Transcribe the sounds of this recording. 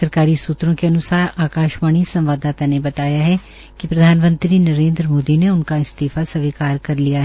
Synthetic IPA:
ɐɾkaːɾisuːt̪ɾõkeɐnʊsaːɾaːkaːʃmaːɳ̃isɐ̃mʋaːd̪aːt̪anebɐt̪aːjaɦɛ | kipɾɐd̪ʱaːnmə̃nt̪ɾinɐɾẽːnd̪ɾmoːd̪ineʊnkaɪst̪iːfasɐʋiːkaːɾkɐɾlijaɦɛ

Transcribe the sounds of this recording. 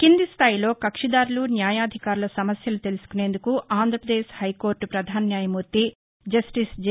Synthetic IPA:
kind̪ist̪ʰaːjilo̞ːkɐkʂid̪aːɾulunjaːjaːd̪ʱikaːɾulɐsɐmɐsjɐlut̪e̞lusu̥kuneːnd̪ukuʔaːnd̪ʱɾɐpɾɐd̪eːʃhɐjko̞ːɾʈpɾɐd̪ʱaːnɐnjaːjɐmuːɾt̪i | d͡ʒɐsʈisd͡ʒ

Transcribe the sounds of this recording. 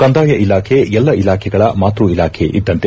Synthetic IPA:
kɐnd̪aːjɐʔilaːkʰeɛlːɐilaːkʰɛɡɐɭɐmaːt̪ɾuilaːkʰeʔid̪ːɐnt̪e

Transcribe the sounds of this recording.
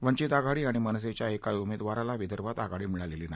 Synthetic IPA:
ʋəɲt͡ɕit̪aɡaɽiːaɽ̃imənəs̬et͡ɕjaekajumed̪ʋaɾalaʋid̪ʱəɾʋat̪aɡaɽiːmiɭaleliːnaj

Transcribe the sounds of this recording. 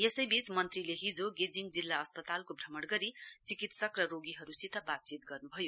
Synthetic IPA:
jesʌjbismʌnt̪rileɦid͡zoɡed͡ziŋd͡zilːaʌspʌt̪alkobʱrʌmʌɽɡʌɾit͡sikit̪sʌkrʌɾoɡiɦʌɾusit̪ʌbat̪̚t͡sit̪̚ɡʌrnubʱʌjo

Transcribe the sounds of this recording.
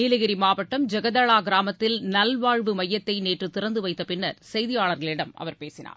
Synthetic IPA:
iːlɯɣɪɾimaːʋɐʈːɐmd͡ʒɐɣɐðɐɭaːɡɪɾaːmɐt̪ːɪlnɐlʋaːɻʋɯmɐjːɐt̪ːɐɪneːʈrɯt̪ɪɾɐnd̪ɯʋɐɪt̪ːɐpɪnːɐɾsɛjðɪjaːɭɐɾɣɐɭɪɽɐmʔɐ̰ʋɐɾpeːsɪna̰ːɾ

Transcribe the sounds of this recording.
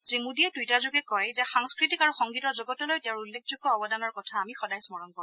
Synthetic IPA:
zimudiɛtujtazʊɡɛkɔjzɛxaŋskɹitikaɹuxɔŋɡitɔɹzɔɡɔtɔlojtɛɹulːekʰzuɡɔɔbɔdanɔɹkɔtʰaːmixɔdajsmɔɹɔnkɔɹ̃

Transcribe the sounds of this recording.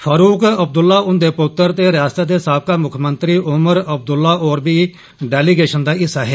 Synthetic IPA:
fʰaːɾuːkəb̚d̪ʊlːaːʊnd̪eːpʊt̪ːəɾt̪eːɾɪjaːst̪aːd̪eːsaːb̚kaːmʊkʰmənt̪ɾiːʔʊməɾəb̚d̪ʊlːaːʔoːɾbiː | ɖɛːliːɡeːʃənd̪aːɪsːaːɦɛː

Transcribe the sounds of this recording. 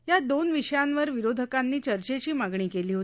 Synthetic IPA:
jad̪onʋiɕəjanʋəɾʋiɾod̪ʱəkanːiːt͡ɕəɾt͡ɕet͡ɕiːmaɡɳiːkeliːɦoi

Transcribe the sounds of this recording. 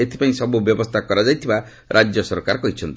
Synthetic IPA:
et̪ʰi̥paĩsʌbubjɔbɔst̪ʰakɔɾad͡ʒajt̪ʰiba | ɾʔad͡ʒjɔsɔɾkaɾkɔɦit͡ʃʰʌnt̪

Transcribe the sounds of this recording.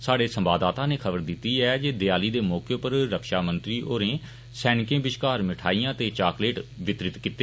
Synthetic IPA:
saːɖeːsəmbaːd̪aːt̪ãːneːkʰəbəɾd̪ɪt̪ːiːɛːd͡ʒeːd̪ɪjaːliːd̪eːmɔːkjoːpəɾɾəkʃaːmə̃nt̪ɾiːʔoːɾẽː | sɛːnɪkẽːbɪʃkaːɾmɪʈʰaːijãːt̪eːt͡ʃaːkleːʈʋɪt̪ɾɪt̪kit̪ːeː

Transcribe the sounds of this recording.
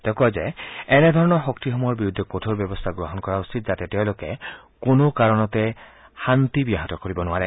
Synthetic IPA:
t̪ɛʊ̃kɔjzɛɛnɛd̪ʱɔɹɔnɔɹxɔkt̪ixɔmɔjɔɹbiɹud̪ʱːeɔkotʰoɹbjɔbɔst̪ʰaɡɹoɦɔnkɔɹausit̪̚zat̪ɛteʊ̃lokɛ | konokaɹɔnɔt̪ɛ | xant̪ibiaɦatɔkoɹibɔnʊaɹɛ

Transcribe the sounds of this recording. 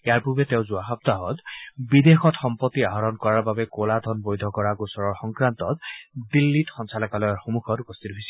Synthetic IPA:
ejaɹpuɹbɛt̪eʊ̃zuaxap̚t̪aɦɔt̪bid̪exɔtxɔmpɔt̪ːiaɦɔɾɔnkɔɹaɹbabɛkolad̪ʱɔnbojd̪ʱɔkɔɹaɡusɔɹɔɹxɔŋkɹant̪ɔtdilːitxɔnsalɔkalɔjaɹxomukʰɔtupɔst̪ʰitɦojsi

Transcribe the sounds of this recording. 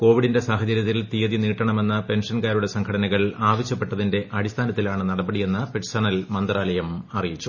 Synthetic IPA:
ko̞ːʋiɽinde̞saːɦɐt͡ɕɐɾjɐt̪ːilt̪ijɐðiniːʈːrɐɳɐme̞nːɐpe̞nʂɐnkaːɾuɽe̞sɐŋkʰɐɽɐnɐɣɐɭaːʋɐɕjɐpːe̞ʈːɐðinde̞ʔɐɽist̪ʰaːnɐt̪ːilaːɳɨnɐɽɐbɐɽije̞nːɐpeʈsɐnɐlmɐnd̪raːlɐjɐmɐrijit͡ɕːu

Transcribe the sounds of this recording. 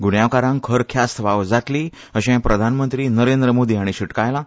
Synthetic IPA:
ɡuɳjaʋkaɾãŋkʰəɾkʰjast̪ʰʋaʋd͡zat̪liː | əɕɛ̃pɾəd̪ʱanmənt̪ɾiːnəɾend̪ɾəmod̪iːaɽ̃iɕiʈkajla

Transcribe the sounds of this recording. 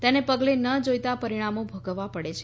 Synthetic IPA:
t̪enepəɡlenəd͡ʒojt̪apəɾiɽ̃amobʱəɡəʋːapəɽet͡ʃʰe

